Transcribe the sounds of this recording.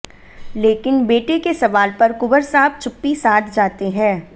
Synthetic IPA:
leːkɪnbeːʈekesɐʋaːlpɐɾkʊbəɾsaːb̚t͡ʃʰʊpːisaːt̪ʰd͡ʒaːt̪eɦɛ̃ː

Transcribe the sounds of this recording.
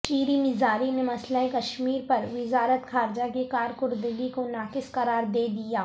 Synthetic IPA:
t͡ʃiːɾimɪzaːɾinemɐslaikɐʃmiːɾpɐɾʋɪzaːɾət̪xʰaːɾd͡ʒakikaːɾkʊɾd̪ɪlikonaːkɪsqɐɾaːɾd̪eːd̪ijaː

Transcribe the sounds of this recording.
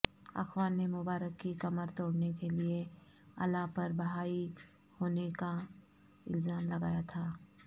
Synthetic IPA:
ɐ̰xwaːnːemʊbaːɾəkːikɐməɾt̪oːɽnekelie | ɐ̰lːapɐɾbɐɦaːi | hoːneka | ɪ̰lzaːmlɐɡaːjat̪ʰaː

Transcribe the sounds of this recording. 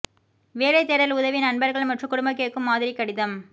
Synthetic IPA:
ʋeːɭɐɪt̪ɛɾɐlʊðɐʋinɐnbɐɾɣɐɭmɐʈrɯkʊɽʊmbɐk̬ːeːʈkːɯmːaːðɪɾikːɐɽɪðɐm

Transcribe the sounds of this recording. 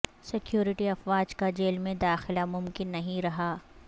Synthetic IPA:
sɪkjuːɾɪʈiɐfwaːd͡ʒkad͡ʒeːlmẽd̪aːxɪlamʊmkɪnːɐɦĩɾɐɦaː

